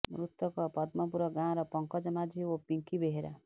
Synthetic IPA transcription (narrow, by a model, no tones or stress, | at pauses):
mɾut̪wʌkɔpʌd̪mɔpuɾɔɡãɾʌpʌŋkɔd͡ʒʌmad͡ʒiopiŋkibeɦeɾa